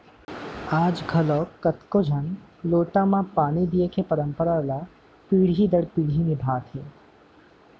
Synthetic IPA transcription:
aːd͡ʒɡʰʱɐlɔːkkːət̪kod͡ʒʱənloːʈãmãpaːñid̪ijekʰepəɾəmpəɾala | piːɽ̤id̪əɽpiːɽ̤inɪbʱaːt̪ʰɦeː

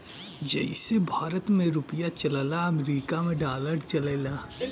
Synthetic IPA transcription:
d͡ʒɛ̰ɪsebʱaːɾət̪mẽɾʊpɪjat͡ʃɐlalaɐmɾiːkamẽɖaːləɖt͡ʃɐleːlaː

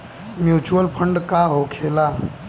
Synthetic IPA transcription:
mjut͡ɕuəlpʰəɳɖkaɦokʰela

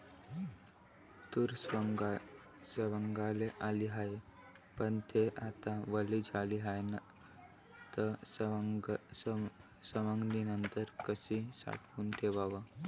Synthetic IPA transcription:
t̪uɾ | səʋəŋɡaleʔaliɦaj | pəɳt̪ʰeʔat̪aʋəlid͡zʱaliɦajna | t̪ə | səʋəŋɡninənt̪əɾkəsisa̰ʈkuːnt̪ʰeʋaʋa

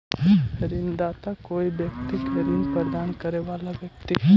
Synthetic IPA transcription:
əɾind̪at̪akoibjək̚t̪ikɦəɾinpəɾd̪aːnkəɾeʋalaʋjək̚t̪i

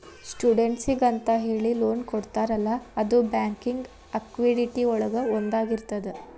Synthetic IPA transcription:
sʈuːɖeɳʈsiɡɐnt̪ɐɦeːɭiloːnkoɽt̪aːɾɐlːɐːd̪ubaːŋkiŋɡ | ɐkʋeɖiʈiɔɭɐɡɐond̪aːɡiɾt̪ɐd̪e

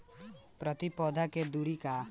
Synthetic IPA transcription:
pɾɔt̪ipɔd̪ʱaked̪uɽika

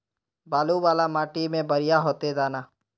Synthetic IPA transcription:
baːluwaːlamaːʈimẽbəɾɪjaɦoːt̪ed̪aːnaː

